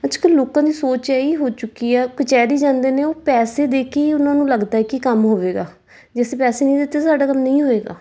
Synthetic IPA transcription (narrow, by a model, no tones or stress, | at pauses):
ət͡ʃʰːkəlloːkãːd̪iːsoːt͡ʃɛːiːɦoːt͡ʃʊkːiːɛːkʊt͡ʃɛːd̪iːd͡ʒãːnd̪eːneːoːpɛːseːd̪eːkʰeːʊnãːnũːləɡd̪aːɛːkikəmɦoːʋeːɡaː | d͡ʒɛːseːpɛːseːnĩːd̪ɪt̪ːeːsaːɖaːkəmnəĩːɦoːʋeːɡa̰ː